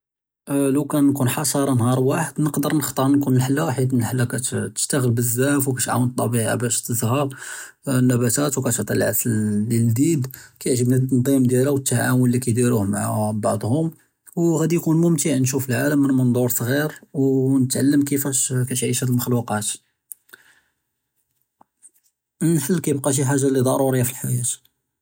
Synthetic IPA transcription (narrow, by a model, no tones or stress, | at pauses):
ləwkænkunħɑʃɑɾˤɑnɦɑɾˤwaħəd̪nəqd̪əɾˤnəxt̪ˤɑɾˤnkunəlħəlːawħid̪mnəlħlːækæt̪t̪ə̥ʃt̪æɣəlbəzːæfwkæt̪ʕa̰wənt̪ˤːɑbiʕa̰bæʃt̪əzhæb | nːæbæt̪æt̪wkæt̪oʕt̪ˤilʕaslːild̪id̪kæjəʕʒəbnət̪ːɑnd̪ˤimd̪jælæwət̪ːaʕamwəlːikæjd̪iɾuhmaʕabɑʕd̪ˤhʊm | wɣæd̪ijkunmʊmt̪əʕnʃ̬ufəlʕaləmːənmənd̪ˤuɾsˤɣiɾwnət̪ʕalːəmkəfæʃkæʃʕiʃæəlməxluqɑt̪ | ħəlːkæjəb̚qɑʃ̬iħaʒːalid̪ˤɑɾˤuɾijafilħajæt̪